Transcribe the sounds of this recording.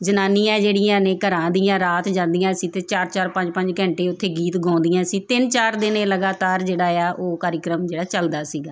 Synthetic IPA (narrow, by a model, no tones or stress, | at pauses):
d͡ʒənaːniːãːd͡ʒeːɽɪjãːnẽːkəɾãːd̪iːãːɾaːt̪d͡ʒãːnd̪ijãːsiːt̪eːt͡ʃaːɾt͡ʃaːɾpə̃ɲd͡ʒpə̃ɲd͡ʒkə̃ɳʈeːʊt̪ʰːeːɡiːt̪ɡʱɔ̃ːnd̪ijãːsiːt̪ɪnt͡ʃaːɾd̪ɪnẽːləɡaːt̪aːɾd͡ʒeːɽaːjaːʔoːkaːɾɪkɾəmd͡ʒeːɽaːt͡ʃəld̪aːsiːɡaː